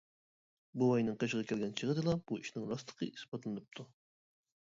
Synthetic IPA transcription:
buɑjnɨŋqəʃʁɑkʲʰɛlɡʲɛnt͡ʃʰəʁəd̪ɨlˠɑb̥uiʃnɪŋɾɑst̪ə̥qʰəʔisbɑt̪lˠɨnɨp̚t̪ʰu

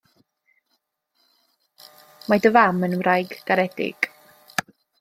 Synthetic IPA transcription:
madəvamənmrajɡɡ̥aɾɛdɪ̰ɡ̥

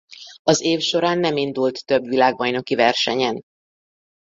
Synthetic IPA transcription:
ɒzeːfʃo̞ɾaːnːɛmind̪ult̪ːøbʋilaːɡ̚bɒjno̞kivɛrʃɛɲɛn

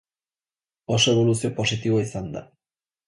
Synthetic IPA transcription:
osoeβ̞o̞lusio̞po̞sit̪iβoisand̪a̰

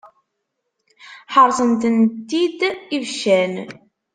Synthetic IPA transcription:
ħəɾˤsˤənt̪ənt̪ːid̪ivʃæn

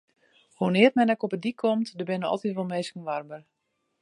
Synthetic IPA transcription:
honɪətmɛnɛkɔpədikʰːɔmtdəbɪnəɔ̰lˠtitʋɔlˠmeːskən̩ʋarbər

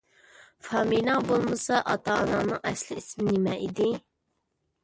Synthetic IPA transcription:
fɑːminɑbolˠmɨsɑʔɑt̪ʰɑːnɑnɨŋɛslɪismɪnɪmɛʔḭd̪ɪ

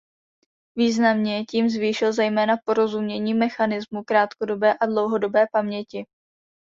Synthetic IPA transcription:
viːznamɲɛciːmzviːʃɪlzɛjmɛːnapo̞ɾo̞zumɲɛɲiːmɛxanɪzmukɾaːt̪kodo̞bɛːʔadlo̞wɦo̞do̞bɛːpamɲɛcɪ

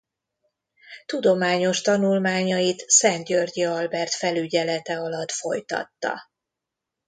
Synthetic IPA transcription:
t̪ud̪o̞maːɲo̞ʃt̪ɒnulmaːɲɒjit̪sɛnt̪ɟørɟiɒlbɛrt̪fɛlyɟɛlɛt̪ɛɒlɒt̪fo̞jt̪ɒ̰t̪ːɒ̰

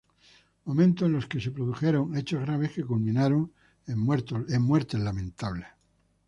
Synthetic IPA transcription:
mo̞mẽnt̪oenlo̞ske̞se̞pɾoðuxe̞ɾo̞ŋe̞t͡ʃozɣɾaβ̞e̞ske̞kulmĩnaɾo̞ŋ | eet̪oemːwe̞ɾt̪e̞zlamẽ̞nt̪aβle

